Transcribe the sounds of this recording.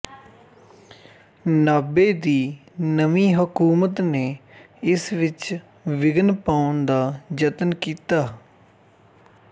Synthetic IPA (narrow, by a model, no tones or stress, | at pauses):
naːbeːd̪iːnəʋiːɦəkuːmət̪neː | ɪsʋɪt͡ʃ | ʋɪɡənpaːʊnd̪aːd͡ʒət̪nkiːt̪aː